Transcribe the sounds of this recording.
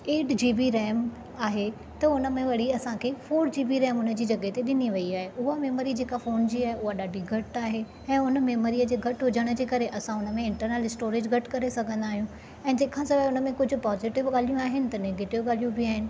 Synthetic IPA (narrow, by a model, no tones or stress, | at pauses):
eːɖd͡ʑiːbiɾɛːm | aːɦe | t̪ɐʊnə̆mẽʋɐɽ̤iɐsãkʰeːfoːɾd͡ʑiːbiɾɛːmʊnə̆d͡ʑiːd͡ʑɐɠet̪eɗɪniʋɐiaːɦeʔʊɦameːmoɾid͡ʑeːkafoːnd͡ʑiaːɦeʊɦaɗaːɖʱiɡʱɐʈaːɦe | ɛ̃ːʊnəmeːmoɾijəd͡ʑeːɡʱɐʈɦʊd͡ʑəɽ̃ə̆d͡ʑeːkɐɾeʔɐsãʊnə̆mẽɪ̃ɳʈəɾneːlɪsʈoːɾed͡ʑɡʱɐʈkɐɾesɐɡʱə̃nd̪aːɦijũ | ɛ̃ːd͡ʑeːkʰãsɐʋaʊnə̆mẽkʊd͡ʑʱʊ̆pɔːzɪʈɪʋɠaːl̤ijũaːɦɪnɪ̆t̪ɐneɡeːʈɪʋɠaːl̤ijũbiaːɦɪnɪ̆